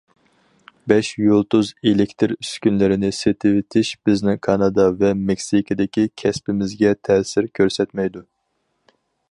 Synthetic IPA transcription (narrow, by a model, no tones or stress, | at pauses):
bɛʃjolˠt̪uzelɪkʲt̪ʰɪɾyskʲynlɪɾɪnɪset̪ʰɪwɪt̪ʰɪʃb̥ɪznɪŋkʰɑnɑd̪ɑvɛmɛkʲsikʰɨd̪ɪkʲikʲʰɛspɪmɪzɡʲɛt̪ʰɛːsɪɾkʲʰøɾsɛt̪mɛjd̪u